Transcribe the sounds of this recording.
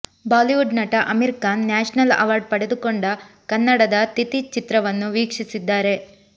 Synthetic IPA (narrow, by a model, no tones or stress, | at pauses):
baːliʋuɖnɐʈɐʔɐmiɾkaːnːaːʂɐnɐlɐ̰ʋaːɾɖ̚pɐɽe̞d̪ukoɳɖɐ | kɐnːɐɽɐd̪ɐt̪it̪it͡ʃit̪ɾɐʋɐnːuʋiːkʂisid̪ːaːɾe̞